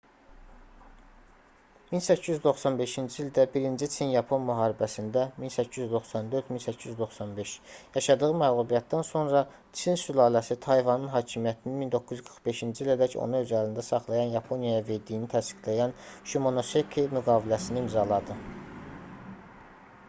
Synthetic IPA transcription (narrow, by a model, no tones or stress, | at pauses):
minsæcʰːijyzd̪o̞χsɑnbe̞ʃind͡ʒiilʲd̪æbiɾind͡ʒit͡ʃʰinjɑpʰo̞nmyɦɑːɾibæsind̪æminsæcʰːiyzd̪o̞χsɑnd̪ø̞ɾt̪minsæcʰːijyzd̪o̞xsɑnbe̞ʃjɑʃɑd̪ɯɣɯmæɣlˠubijɑt̪̚d̪ænso̞nɾɑ | t͡ʃʰinsylɑːlæsit̪ʰɑjvɑnɯnɦɑːcʰimijæt̪ʰininmind̪o̞kːuzɡʰɯɾχbe̞ʃind͡ʒiilæd̪æco̰nuø̞zælind̪æsɑχlˠɑjɑnjɑpʰo̞njɑjɑve̞ɾd̪ijnit̪ʰæst̪i̥ɡlæjænʃymo̞nosekʰimyɡɑːbilæsiniimzɑlˠɑd̪ɯ